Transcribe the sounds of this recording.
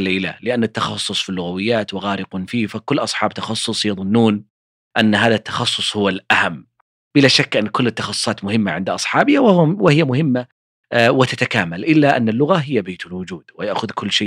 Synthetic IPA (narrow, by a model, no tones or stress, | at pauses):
leːla̰lɪʔanːat̪ːɑxɑsˤːʊsˤfilːʊɣawɪjːaːt̪wɪɣaːɾɪqʊnfiːfakʊlːʔɑsˤħɑːbt̪ɑxɑsˤːʊsˤjɑðˤʊnːuːn | ʔanːɦaːðat̪ːɑ̥xɑsˤːʊsˤhʊwalʔahamː | b̥ɪlaʃakːʔɪnːkʊlːɪt̪ːɑxɑsˤːʊ̥sˤɑːt̪mʊhɪmːaʕɪnd̪ʔɑsˤħɑːbɪhawɪhɪjːamʊhɪmːa | wɪt̪at̪akaːmalʔɪlːaʔanːalːʊɣaɦɪjːabeːt̪alwʊd͡ʒuːd̪̥wɪjaʔxʊðkʰʊlːʃeː